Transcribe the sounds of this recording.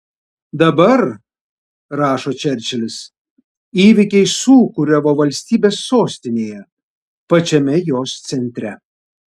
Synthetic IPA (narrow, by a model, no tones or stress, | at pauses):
d̪ɐbɐɾ | ɾɑːʃoːt͡ʃʲɛɾʲt͡ʃʲɛlʲɪs | iːʋʲɪkʲɛɪsuːkʊɾʲɛʋoːʋɐlʲsʲt̪ʲiːbʲeːsːoːsʲt̪ʲɪnʲeːjɛ | pɐt͡ʃʲɛmʲɛjoːst̪sʲɛnʲt̪ʲɾʲɛ